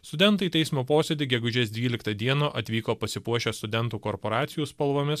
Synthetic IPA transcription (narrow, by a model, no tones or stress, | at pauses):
st̪ʊd̪ʲɛnt̪ɐɪt̪ʲɛɪsmoːpoːsʲed̪ʲɪɡʲɛɡʊʒʲɛsd̪ʲʋʲiːlʲɪkt̪ɐd̪ʲiɛnoːʔɐt̪ʲʋʲiːkoːpɐsʲɪpuɔʃʲoːst̪ʊd̪ʲɛnˑt̪uːkɔɾpoːɾɑːt̪sʲɪjuːspɐlˠʋoːmʲɪs